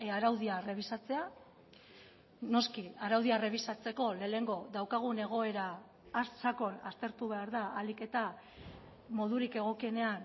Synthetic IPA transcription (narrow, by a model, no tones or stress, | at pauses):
aɾawðiaere̞βisat͡se̞a | no̞skiaɾawðiaere̞β̞isat͡se̞ko̞le̞ːle̞ŋɡo̞ðawkaɣ̞une̞ɣ̞o̞e̞ɾaː | ssako̞na̰st̪e̞ɾt̪uβ̞e̞aɾðaalike̞t̪a | mo̞ð̞uɾike̞ɣ̞o̞kie̞ne̞an